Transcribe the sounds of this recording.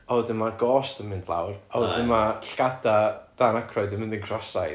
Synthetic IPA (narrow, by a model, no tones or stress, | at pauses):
ɔwdəmaɡɔːstəmɪnd̥lˠa̰wrɔwdəmaɬkadad̥anakʰrɔɨdənmɪndəŋkʰrɔsaj